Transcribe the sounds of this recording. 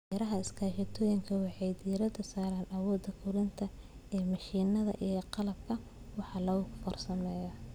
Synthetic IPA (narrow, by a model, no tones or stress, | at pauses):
ɾɐɦɐɪskʰaːʃɐt̪ʰɔːjɪŋkʰɐwɑħɑjd̪iːɾɐd̪ɐsaːɾɐːnɐwɔːd̪ːɐkʰʊɾɪnt̪ʰɐ | ɛːmɐʃiːnɐðɐ̰ʔijqɑlɐb̚kʰɐ | wɑħɑːlɐɣʊfɔrsɐmɛːjɐ